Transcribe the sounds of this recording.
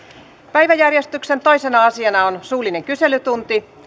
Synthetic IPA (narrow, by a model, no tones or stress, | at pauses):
pæjʋæjærjest̪yksent̪o̞isenɑɑsiɑnɑonsuːline̞ŋkyse̞lyt̪unt̪i